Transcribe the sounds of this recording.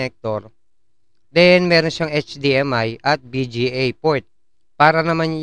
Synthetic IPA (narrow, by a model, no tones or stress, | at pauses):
ɛk̚t̪ɔr | denmɛɾɔŋsaŋet͡ʃdiɛmajʔat̪̚bid͡ʒiejpɔjt̪̚ | paɾanamaɲ